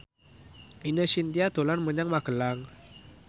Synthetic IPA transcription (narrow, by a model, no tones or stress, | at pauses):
inəsint̪iat̪olanməɲaŋmaɡəlaŋ